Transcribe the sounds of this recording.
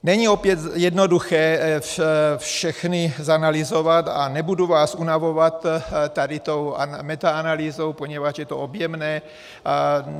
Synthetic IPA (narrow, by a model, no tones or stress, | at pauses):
nɛɲiopjɛt̪jɛd̪noduxɛːffʃɛxnizanalizovat̪a̰nɛbuduvaːsunavovat̪t̪ːadit̪owamɛt̪aanaliːzowpoɲɛvat͡ʃjɛt̪oobjɛmnɛː